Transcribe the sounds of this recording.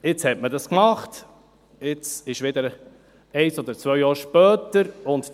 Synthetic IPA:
ɪt͡shɛtmədɑskmɑχt | ɪt͡sɪʃʋɪd̪əɾ | ɛɪsɔd̪əɾt͡svœʏjɑːɾʃpœːtəɾʊnt

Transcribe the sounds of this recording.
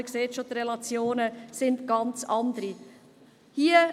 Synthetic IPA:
ɪkseːtʃotɾɛlɑt͡sjoːnəsɪntɡ̥ɑnt͡sɑnd̪əɾi | hiːə

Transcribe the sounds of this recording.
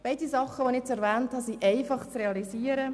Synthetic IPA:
b̥ɛɪdisɑχəʋonɪɛt͡sɛɾvɛːnthɑsiʔɛɪfɑχt͡sreɑliziːəɾə

